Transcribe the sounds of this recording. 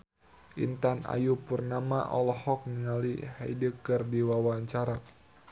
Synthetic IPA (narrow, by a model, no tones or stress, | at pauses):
ʔḭnt̪ana̰jupurnama̰ʔɔlɔhɔk̚nəŋaliha̰jdəkərdiwawaɲt͡ʃaɾa